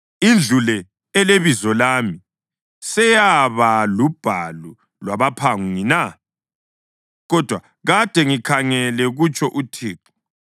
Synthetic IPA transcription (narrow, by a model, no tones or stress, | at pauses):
ind͡ɮʱulɛ | ɛleβizɔlaːmi | sɛjaβalub̥ʱalu | lwaβapʰaŋuŋina | ɣɔd̥ʱwa | ɣad̥ʱɛŋikʰaŋɛlɛɣut͡ʃʰʼɔʔutʰiːǁu̥